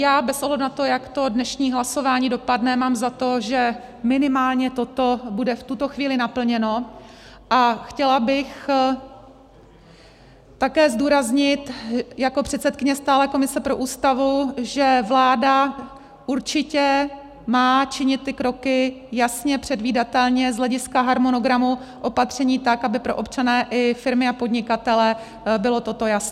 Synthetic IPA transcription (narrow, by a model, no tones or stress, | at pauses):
jaːbɛsoɦlɛdunat̪o̞jakt̪o̞dnɛʃɲiːɦlaso̞vaːɲiːdo̞padnɛmaːmzat̪o̞ʒɛ | mɪnɪmaːlɲɛt̪o̞t̪o̞budɛft̪ut̪o̞xviːlɪnapl̩ɲɛno̞ʔaxcɛlabɪx | t̪akɛːzduːɾazɲɪt̪jako̞pr̝̥ɛt̪sɛt̪̚kɪɲɛst̪aːlɛːko̞mɪsɛpɾo̞ʔuːst̪avuʒɛvlaːda | ʔuɾt͡ʃɪcɛ | maːt͡ʃɪɲɪt̪̚ːɪkɾo̞kɪjasɲɛpr̥ɛdviːdat̪ɛlɲɛzlɛɟɪskaɦaɾmo̞no̞ɡɾamu | ʔo̞pat̪r̝̥ɛɲiːt̪akʔabɪpɾo̞̰ʔo̞pt͡ʃanɛːʔɪfɪɾmɪapo̞dɲɪkat̪ɛlɛ | bɪlo̞t̪o̞t̪o̞jasɲɛ